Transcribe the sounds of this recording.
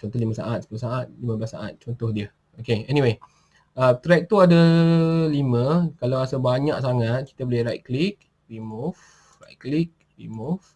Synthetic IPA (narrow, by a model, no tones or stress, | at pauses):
t͡ʃɔnt̪ɔhlimə̃sa̰ʔat̪̚sə̥pulosaʔat̪̚limə̃blasa̰ʔa̰t̪̚t͡ʃɔnt̪ɔhdiə | okeɛniwe | ət̪ɾɛk̚t̪uadalimə̃kalawasəbaɲaʔsaŋãt̪̚ki̥t̪abolɪhɾajt̪̚klik̚ | rimuf | ra̰jt̪̚klik̚ | rimuf